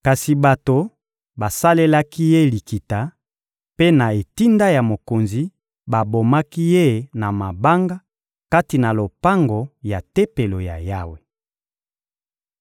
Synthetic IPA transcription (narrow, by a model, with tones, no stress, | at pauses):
ka˨si˨ba˨to˨ | ba˨sa˦le˦la˦ki˦je˦li˨ki˨ta˨˦ | pe˦na˨e˨ti˦nda˦ja˨mo˨ko˨nzi˨ | ba˨bo˨ma˦ki˦je˦na˨ma˨ba˦ŋɡa˦ | ka˦ti˨na˨lo˨pa˦ŋɡo˨ja˨te˦pe˨lo˨ja̰˨ja˦we˨